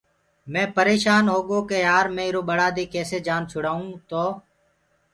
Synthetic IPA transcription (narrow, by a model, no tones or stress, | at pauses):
mɛ̃ːpəɾeːʃaːnɦoːɠoːkeːjaːɾmẽːɪɾoːɓəɽaːd̪eːkɛːseːd͡ʒaːnt͡ʃʰʊɽaːũːt̪oː